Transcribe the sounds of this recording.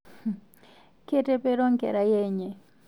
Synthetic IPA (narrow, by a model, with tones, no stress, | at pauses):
ke˦te˦pe˦ɾɔ˦ŋkɛ̰˨ɾa˨je˦ɲe˨